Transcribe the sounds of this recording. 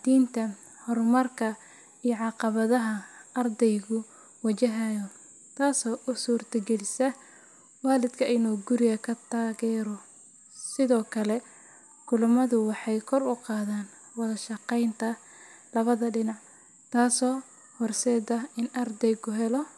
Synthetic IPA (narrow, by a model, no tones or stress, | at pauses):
d̪̥iːnt̪ʰɐ | hɔrmɐrkʰɐ | ijɔʕɑqɑβɐðɐɦɐɐrd̪ɛjɣʊ | wɐt͡ʃɐɦɐjɔ | t̪ʰaːsɔːʔʊsuːrt̪ʰɐɡɛlɪsɐ | waːlɪd̪kʰɐʔɪnɔːɡʊɾɪɣɐkʰɐt̪ʰaːɣɛːɾɔ | sɪðɔːkʰɐlɛ | kʊlʊmɐðʊwɑħɑjkʰɔrʊqɑːðaːnwɑðɐʃɑqɛjnt̪ʰɐlɐβɐðɐɖɪnɑʕ | t̪ʰaːsɔː | hɔrsɛːdɐɪnɐrd̪ɛjɣʊɦɛlɔ